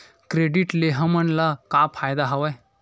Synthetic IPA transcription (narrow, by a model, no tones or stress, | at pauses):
kɾeɖiʈleɦə̃mənlakapʰajd̪aɦaʋaj